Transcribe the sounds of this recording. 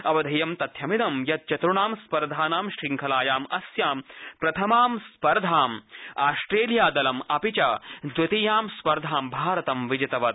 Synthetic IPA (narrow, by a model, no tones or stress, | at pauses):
ɐʋɐd̪ʱɐjɐmt̪ɐt̪ʰjɐminɐmjɐt̪̚t͡ʃɐt̪ɾuɳaːmspɐɾd̪ʱaːnaːmʃɾiŋkʰɐlaːjaːmɐsjaːmpɾɐt̪ʰɐmaːmspɐɾd̪ʱaːmaːsʈɾeːljaːd̪ɐlɐmɐpit͡ʃɐd̪ʋɐt̪iːjaːmspɐɾd̪ʱaːmbʱaːɾɐt̪ɐmʋid͡ʒɐt̪ɐʋɐt̪